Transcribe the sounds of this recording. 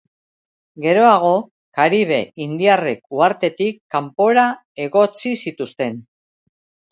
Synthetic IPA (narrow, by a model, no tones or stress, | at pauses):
ɡe̞ɾo̞aɣ̞o̞ | kaɾiβ̞e̞ind̪iarekuaɾt̪e̞t̪ikːampo̞ɾa | e̞ɣo̞t͡sisit̪ust̪e̞n